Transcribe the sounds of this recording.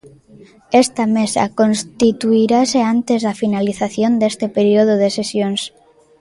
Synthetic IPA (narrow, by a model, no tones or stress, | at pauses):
est̪amesa̰konst̪it̪uiɾaseant̪ezðafinaliθaθjond̪est̪epeɾioð̞oð̞esesjons